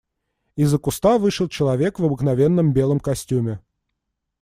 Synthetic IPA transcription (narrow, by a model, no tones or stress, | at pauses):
ɪzːəkʊst̪avɨʂɨlˠt͡ɕɪlˠɐvʲe̞kvɐbɨknɐvʲenːəmbʲe̞lˠəmkɐsʲtʲumʲɪ